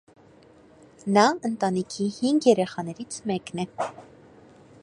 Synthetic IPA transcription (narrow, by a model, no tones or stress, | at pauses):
nɑənt̪ɑnikʰihiŋɡjɛɾɛχɑnɛɾit͡sʰmɛknɛ